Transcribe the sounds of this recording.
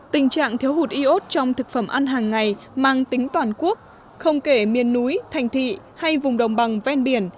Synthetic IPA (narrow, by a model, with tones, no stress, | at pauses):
t̪ï˨˩ŋ̟t͡ɕa̰ː˧˨ŋt̪ʰi˨˦əwɦu˨˩t̚ʔi˧ʔo˦˥t̚t͡ɕɔ˧wŋ͡mt̪ʰɨ˨˩k̚fə˧˩mʔa˧nɦaː˨˩ŋːa˨˩jmaː˧ŋt̪ï˨˦ŋ̟t̪waː˨˩nku˦˥ək̚ | xə˧wŋ͡mke˧˩mi˨˩ənːu˨˦jt̪ʰa˨˩jŋ̟t̪ʰḭ˧˨ | ha˧jvʊ˨˩ŋ͡mɗə˨˩wŋ͡mɓa˨˩ŋvɛ˧nɓi˧˩ən